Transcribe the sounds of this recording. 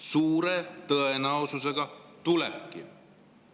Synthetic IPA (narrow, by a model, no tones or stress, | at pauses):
suːɾe̞t̪ɤenɑwsuse̞ɡ̥ɑt̪ulḛpkḭ